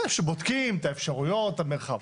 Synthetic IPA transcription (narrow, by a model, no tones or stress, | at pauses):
efʃebod̪kimet̪aefʃaʁujo̞t̪ameʁχav